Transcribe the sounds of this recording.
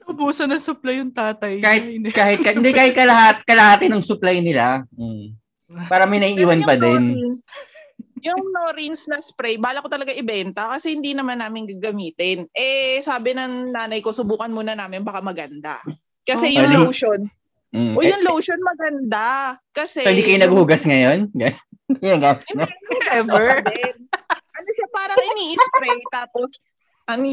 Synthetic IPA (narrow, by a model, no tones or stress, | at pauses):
ɐʔʊbuːsɐnɐŋsʊplajːʊŋt̪aːt̪ɐjkaːhɪt̪̚kaːhɪt̪̚kɐɪnd̪ɛkaːhɪt̪̚kɐlɐhat̪̚kɐlɐhaːt̪ɪnɐŋsʊplajnɪla | paːɾɐmɐjnɐiʔiːwɐnpɐd̪ɛns | jʊŋnoɾinsnɐspɾɛjbaːlɐkot̪ɐlɐɡaŋʔɪbɛnt̪ɐkɐsɛhɪnd̪inɐmanːaːmɪnɡɐɡɐmiːt̪ɪnʔɛsaːbɪnɐŋnaːnɐjko̞sʊbuːkɐnmunɐnaːmɪnbɐkamɐɡɐnd̪a̰ | kɐsɛjʊwʃon̩ | ʔojʊŋlowʃonmɐɡɐnd̪akɐsɛoɪnd̪iikɐjʊnɐɡuhʊɡɐsŋɐjonɡɐjɡaɪnoɛvɛɹd̪ | ʔɐnoʃapaːɾɐŋɪŋniːʔɪspɾɛjt̪aːpos | ʔɐ